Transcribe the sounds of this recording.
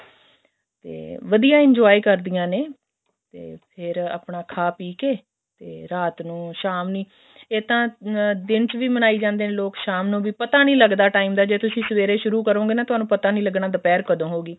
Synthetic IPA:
t̪ḛːʋəd̪ijãːɪɲd͡ʒɔːiːkəɾd̪ɪjãːneː | t̪ḛːpʰɪɾa̰ːpɳaːkʰaːpiːkeː | t̪eːɾaːt̪nũːʃaːmnĩː | eːt̪ãːd̪ɪnt͡ʃʋiːmənaːiːd͡ʒãːnd̪eːneːloːkʃaːmnũːʋiːpət̪aːnĩːləɡd̪aːʈaːiːmd̪aːd͡ʒeːt̪ʊsĩːsəʋeːɾeːʃʊɾuːkəɾõːɡeːnãːt̪ʊɦaːnũːpət̪aːnĩːləɡnaːd̪əpɛːɾkəd̪õːɦoːɡiː

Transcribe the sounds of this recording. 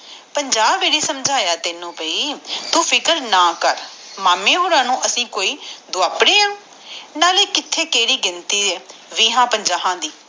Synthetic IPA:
pəɲd͡ʒaːbeːɽiːsəmd͡ʒʱaːjaːt̪ɪnũːpəiːt̪ũːpʰɪkəɾnaːkəɾmaːmẽːɦoːɾãːnũːʔəsĩːkoːiːd̪ʊaːpɽeːa | naːleːkɪt̪ʰːeːkeːɽiːɡɪnt̪iːeːʋiːɦãːpəɲd͡ʒaːɦãːd̪iː

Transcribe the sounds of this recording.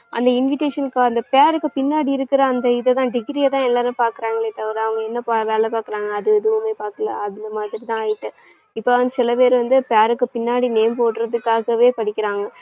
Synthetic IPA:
ʔɐ̰nd̪ɐɪnʋɪʈeːʂɐnkːɯɐnd̪ɐpeaːɾɯkːɯpɪnːaːɽiɪɾɯkːɪɾɐːnd̪ɐɪðɐt̪ãːɖɪɡɾiɐt̪ãːɛlːaːnɯpaːɾkɯɾaːŋɡɐɭeːt̪ɐʋɐɾɐʋɐŋɡɐɛnːɐpaːʋeːlɛpaːɾkɯɾaːŋɡɐːðɯɛðɯʋɯmeːpaːɾkɯlɐ̰ɐðɪnd̪ɐmaːðɪɾit̪ãːaːjɪʈːɯ | ɪpːoːɐnd̪ɯsɪlɐpeːɾɯʋɐnd̪ɯpjaːɾɯkːɯpɪnːaːɽineːmpoːʈːɾɐðɯkːaːɣɐʋeːpɐɽɪkʲːɪɾaːŋɡɐ

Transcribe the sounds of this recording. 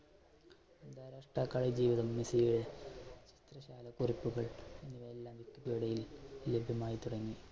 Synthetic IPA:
d̪aːɾaːʂʈraːkːaːɭɐjd͡ʑiːʋiðɐmːisijuɽe̞t͡ɕi̥t̪rɐɕaːlɐkuripːuɣɐɭenːiʋɐlːaːmʋikːupiɽɐjillebʱjɐmaːjit̪uɽɐŋːi

